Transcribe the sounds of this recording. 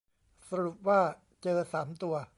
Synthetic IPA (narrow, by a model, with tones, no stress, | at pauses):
sa˧ɾu˨˩p̚waː˥˩ | t͡ɕɤː˧saː˩˦mt̪u˧ɐ